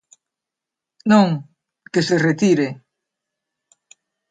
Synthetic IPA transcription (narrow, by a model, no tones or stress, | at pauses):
nõŋ | keseret̪iɾe